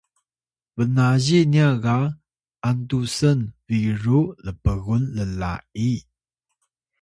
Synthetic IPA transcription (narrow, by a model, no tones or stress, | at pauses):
vənaʑeniaɣa | ʔantusənviɹuləpəɣunləla̰ʔi